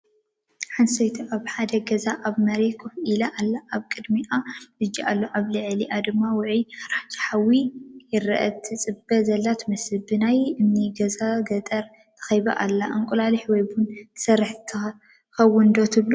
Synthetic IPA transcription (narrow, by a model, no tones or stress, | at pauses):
ħansɐjt̪ʰuʔaβħad̪ɐɡɐzaʔaβmɐɾekʰʼufilaʔalːaʔaβkʼɨd̪miʔaɨd͡ʒːiʔalːoʔaβlɨʕliʔad̪ɨmːawʊʕiɾaħt͡ʃʰi̥ħawijɪɾɐʔɐt̪ʰɨt͡sʼɨbɐzɐlːat̪mɨsɨbɨnajɨmniɡɐzaɡɐt̪ʼɐɾ | t̪ʰɐ̥xɐjba̰ʔalːaʔɨŋkʼulaliħwɔjbun̥ʰsɐrːɨħt̪ʰɐ | xɐwːʊnd̪ot̪ʰɨβlu